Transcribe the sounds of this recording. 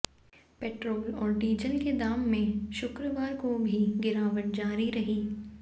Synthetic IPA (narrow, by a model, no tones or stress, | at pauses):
pɛːʈɾoːlɔːɾɖiːd͡ʒəlked̪aːmːẽʃʊkɾəʋaːɾkobʱiɡɪɾaːʋəʈ̚d͡ʒaːɾiɾɐɦiː